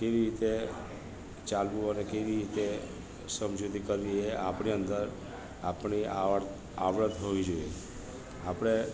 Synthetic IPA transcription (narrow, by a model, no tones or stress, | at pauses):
keʋiɾit̪e | t͡ʃalʋũənekeʋiɾit̪e | səmd͡ʒut̪ikəɾʋiɦeʔapɳiə̃nd̪əɾ | apɳi | aʋɾəd̪ɦoʋid͡ʒoie | apɽ̃e